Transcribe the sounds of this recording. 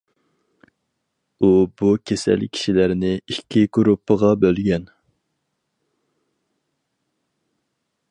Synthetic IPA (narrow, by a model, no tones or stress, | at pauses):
ubukʲʰesæ̰lkʲʰi̥ʃilæɾnɪikʲʰːiɡɾupːəʁɑbølɡʲɛn